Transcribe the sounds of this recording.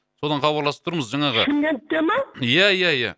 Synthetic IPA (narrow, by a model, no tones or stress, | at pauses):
so̞d̪ɑnχɑbɑɾlˠɑsə̥p̚t̪ʰʊɾməzʒɑɴɑʁəkʰʲɪmɡ̪ʲent̪ːemajæjæjæ̰